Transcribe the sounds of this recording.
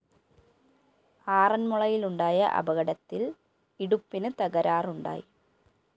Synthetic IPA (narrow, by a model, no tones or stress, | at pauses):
aːrɐnmuɭɐjiluɳɖaːjɐ̰ʔɐ̰bɐɣɐɽɐt̪ːil | iɽupːinɨt̪ɐɣɐɾaːruɳɖa̰ːji